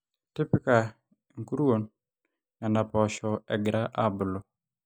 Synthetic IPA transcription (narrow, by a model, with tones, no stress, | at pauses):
ti˦pɪ˦ka˨ | ŋ̩˨ku˦ɾu˦wo˨n | ja˨na˨pɔ˨ʃɔ˨ɛ̰˨ɡɪ˨ɾa˦ʔa˦bʊ˨lo˨